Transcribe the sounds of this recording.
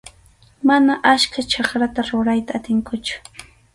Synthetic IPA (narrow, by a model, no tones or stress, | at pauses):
manaʔat͡ʃkat͡ʃɑχɾat̪aɾʊɾajt̪aːt̪ɪŋkʊt͡ʃʊ̥